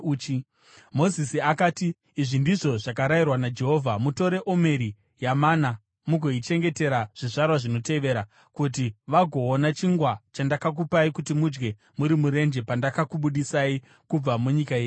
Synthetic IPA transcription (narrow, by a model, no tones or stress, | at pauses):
t͡ʃ | mo̞zisiakaːtiː | ʐindiʐo̞ʐakaɾajirwanad͡ʒe̞ɦo̞vʱamuto̞ɾe̞ʔo̞me̞ɾi | jamana | muɡʱo̞it͡ʃe̞ŋɡe̞te̞ɾaʐ̥iʐarwaʐino̞te̞ʋe̞ɾa | kut̬iʋaɡʱo̞ːnat͡ʃiŋɡwat͡ʃandakak̬upaikutimud͡ʒɡe̞ | muɾimuɾe̞nd͡ʒe̞pandakakuɓuɗisai | kub͡vamuɲikajeːju